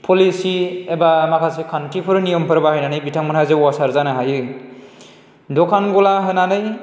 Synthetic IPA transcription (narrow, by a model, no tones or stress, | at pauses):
pʰɔlisiɛbamakʰasikʰantʰipʰɯɾɯnijɔmpʰɯɾbaɦhɯjnanɯjbitʰaŋmɯnɦazewasaɾzanaɦajɯ | dɔkʰanɡɔlaɦɯnanɯj